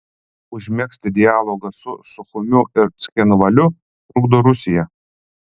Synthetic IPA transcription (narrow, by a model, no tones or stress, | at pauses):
ʊʒʲmʲɛksʲt̪ʲɪd̪ʲɪjæːlˠoːɡɐsʊsʊxʊmʲʊʔɪɾt̪sʲxʲɛnʊʋɐlʲʊ | ɾʊɡd̪oːɾʊsʲɪjɛ